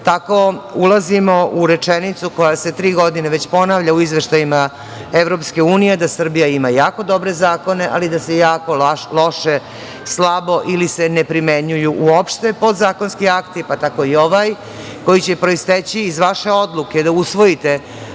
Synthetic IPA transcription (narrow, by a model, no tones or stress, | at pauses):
t̪ako̞ulazimouɾet͡ʂenit̪suko̞jase̞t̪ɾiːɡo̞d̪ineʋet͡ɕpo̞naʋʎauizʋeʃt̪ajima | eʋɾo̞pske̞uːnije̞d̪asr̩bijaimajaːko̞d̪o̞bɾezaːko̞ne̞ʔa̰lid̪asejaːko̞lo̞ʃe | slˠabo̞ʔilisenepɾimeɲujuʔuopʃt̪e̞po̞d̪zaːkonskiakt̪ipat̪ako̞ioʋaj | ko̞jit͡ɕe̞pɾo̞ist̪et͡ɕiːzʋaʃe̞od̪lˠuked̪ausʋo̞jit̪e